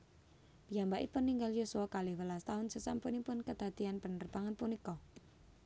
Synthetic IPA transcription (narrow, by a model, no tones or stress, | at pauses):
b̥iambaʔḭpʊnːiŋɡaljosuakalɪhwəlast̪aɦʊnsəsampunipʊnkəd̪̥a̤d̪̥ianpənərb̥aŋanpunikɔ